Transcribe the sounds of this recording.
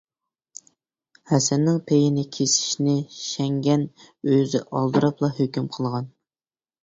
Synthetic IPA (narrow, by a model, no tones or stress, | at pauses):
hɛsɛnːɪŋpʰejinɪkʲʰesɪ̥ʃnɪʃɛŋɡʲɛnøzɪʔɑlˠd̪ɨɾɑplˠɑɦøkʲymqʰəlˠʁɑn